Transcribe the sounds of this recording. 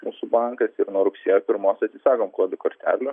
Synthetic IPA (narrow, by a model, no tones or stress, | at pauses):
muːsʊbɑŋkɐsɪɾnuɔɾʊksʲiɛjoːpʲɪɾmoːsʲɐt̪sʲɪsɑːkoːmklˠoɔd̪ʲɪkoːɾʲt̪ʲæ̰ːlʲʊ